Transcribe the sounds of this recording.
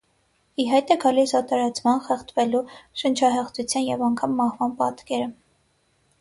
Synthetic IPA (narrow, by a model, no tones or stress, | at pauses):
iɦɑjt̪ɛɡɑlisɑt̪ɑɾɑt͡sʰmɑnχɛχt̪ʰvɛluʃənt͡ʃʰɑɦɛχt͡sʰut͡sʰjɑnjɛvɑŋkʰɑmːɑhvɑnpɑ̰t̪kɛɾə